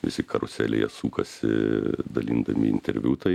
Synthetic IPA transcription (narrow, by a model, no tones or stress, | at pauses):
ʋʲɪsʲɪkʰɐɾʊsʲæːlʲɛjɛsuːkɐsʲɪ̰d̪ɐlʲiːnd̪ɐmʲɪɪnʲt̪ʲɛɾʲʋʲuːt̪ɐɪ